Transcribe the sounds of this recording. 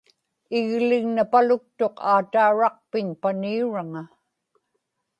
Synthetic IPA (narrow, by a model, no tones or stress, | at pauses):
ɪɣlɪɣnapalʊk̚t̪o̞qʰaːt̪aːɻɑq̚pɪɲpaniuɻaŋa